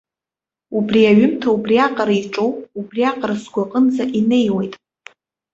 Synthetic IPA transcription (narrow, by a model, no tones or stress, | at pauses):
ubriaɥʏmtʰaubriaqʼaɾaiʈ͡ʂʼowʼubriaqʼarasɡʷaqʼənd͡zaʔine̞jwejtʼ